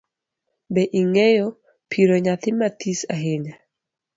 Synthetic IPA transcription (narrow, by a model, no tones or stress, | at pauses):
bɛʔiŋɛjɔ | pʰiɾoɲat̪ɪmat̪isaɦeɲa